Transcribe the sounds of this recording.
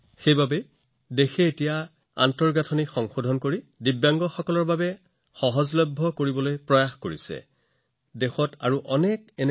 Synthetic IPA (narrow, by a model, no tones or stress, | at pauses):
xejbabɛ | dexɛːtija | a̰ntɔɹɡatʰɔnikxɔŋxodʱɔnkoɹidibjaŋɡɔxɔkɔlɔɹbabɛ | xɔɦɔzlɔbʱːɔkoɹibɔlojpɹɔjaxkoɹisɛ̰ | dexɔta̰ɹuʔɔnɛk̚ɛn